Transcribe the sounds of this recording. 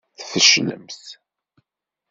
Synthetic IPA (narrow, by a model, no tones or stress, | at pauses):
θfəʃnə̰mθ